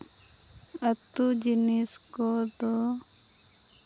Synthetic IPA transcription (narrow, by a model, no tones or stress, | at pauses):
ət̪ːud͡ʒiniskɔd̪ɔ